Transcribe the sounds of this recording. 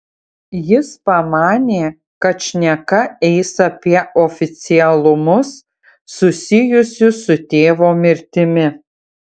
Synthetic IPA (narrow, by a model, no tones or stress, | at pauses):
jɪspɐmɑːnʲeː | kɐt̪ʃʲnʲɛkɐɛɪsɐpʲiɛɔːfʲɪt̪sʲɪɛlˠʊmʊsː | ʊsʲɪjʊsʲʊsʊt̪ʲeːʋoːmʲɪɾʲt̪ʲɪmʲɪ